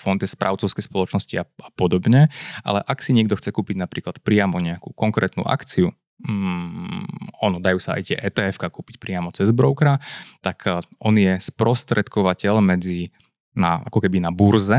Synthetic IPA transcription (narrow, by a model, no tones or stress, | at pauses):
fɔnt̪jɛspɾʔa̰ʊt͡sɔʊskɛspɔlɔt͡ʃnɔsciaapɔd̪ɔbɲɛʔa̰lɛʔaksiɲɪɛɡd̪ɔxt͡sɛkuːpiɟnapɾiːklat̪pɾɪamɔɲɛakṵːkɔŋkɾɛ̰ːt̪nṵːʔa̰kt͡siu | ɔnɔd̪ajuːsaa̰jt̪ɪɛ̰ʔɛːt̪ɛːɛfkakuːpic̚pɾɪamɔt͡sɛzbɾɔʊkɾat̪akʔɔnɪjɛspɾɔst̪ɾɛt̪kɔʋacɛʎmɛd͡zi | naa̰kɔkɛbinabuɾzɛ